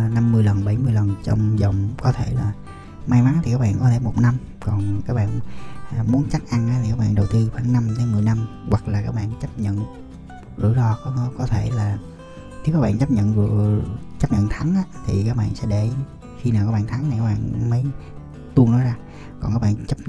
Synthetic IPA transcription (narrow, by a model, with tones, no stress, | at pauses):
na˧mːɨ˧əjlə˨˩nɓə˧˩jmɨ˧əjlə˨˩nt͡ɕɔ̰˧wŋ͡mzə˨˩wŋ͡mkɔ˨˦t̪ʰe˧˩laː˨˩ | ma˧jma˨˦nt̪ʰi˨˩kaː˦˥k̚ɓa̰ː˧˨nkɔ˨˦t̪ʰe˧˩mo˨˩t̚na˧m | kɔ˨˩nkaː˦˥k̚ɓa̰ː˧˨n˨˩ | mu˨˦ənt͡ɕa˦˥k̚ʔa˧nʔaː˧˥t̪ʰi˨˩kaː˦˥k̚ɓa̰ː˧˨nɗə˨˩wt̪ɨ˧faː˧˩˦ŋnːa˧mt͡ɕə˧˦mɨ˨˩əjna˧mɣwa˨˩k̚laː˨˩kaː˦˥k̚ɓa̰ː˧˨n˧˦t͡ɕə˦˥p̚ɲə̰˧˨n | lṵ˧˩əlɔ˧kɔ˨˦˨kɔ˨˦t̪ʰe˧˩laː˨˩ | t̪ʰi˧˦kaː˦˥k̚ɓ̰aː˧˨t͡ɕə˦˥p̚ɲə̰˧˨nzt͡ɕə˦˥p̚ɲə̰˧˨nt̪ʰa˨˦ŋʔaː˨˦t̪ʰi˨˩kaː˦˥k̚ɓa̰ː˧˨nsɛ̰˧˥ɗe˧˩ | xi˧naː˨˩wkaː˦˥ɓaː˧˨nt̪ʰa˨˦na˨˩kaː˦˥k̚ɓa̰ː˧˨nmə˨˦j | t̪u˧ənɔ˨˦jzaː˧ | kɔ˨˩nkaː˦˥kɓa̰ː˧˨nt͡ɕə˦˥p̚